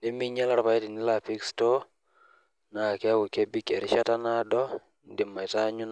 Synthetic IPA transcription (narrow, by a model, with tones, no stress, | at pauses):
ne˦mi˦ɲɛ˦la˦ɾpa˨ɛ˦ti˨ni˦la˦pi˦kstɔ˦ | na˨kɛ˦a˦wu˨ke˦bi˦kɛ˨ɾɪ˦ʃa˦ta˦na˦dɔ˦ | ndɪ˨mːa˨i˨ta˦ɲu˦n